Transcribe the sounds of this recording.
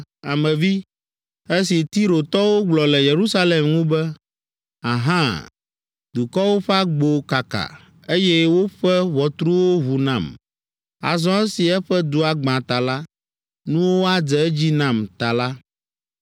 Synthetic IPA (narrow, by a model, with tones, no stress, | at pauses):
a˨mɛ̃˨vi˦ | e˦si˨t̪i˦ɾo˨t̪ɔ˦wo˦ɡ͡blɔ˨lɛ˨je˨ɾu˦sa˦le˨mŋũ˦bɛ˦ | a̰˨ɦã˦ | d̪u˨kɔ˦wo˦ɸɛ˦a˦ɡ͡bo˨ka˨ka̰˨ | e˦jɛ˦wo˦ɸɛ˦βɔ˨t̪ɾu˦wo˦ɦu˨nã˨m | a̰˨zɔ̃˦ɛ˦si˨ɛ˦ɸɛ˦d̪u˦a˨ɡ͡bã˨t̪a˨la˦ | nũ˦wo˦a˦d͡zɛ˨˦d͡ʑi˦nã˨mt̪a˨la˦